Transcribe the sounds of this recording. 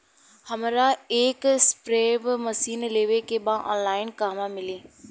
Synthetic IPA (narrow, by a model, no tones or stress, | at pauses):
həmɾaeːkspɾeːbməsiːnleːʋekebãʔɔ̰̃ːnlaːɪnkaːɦmãmɪleː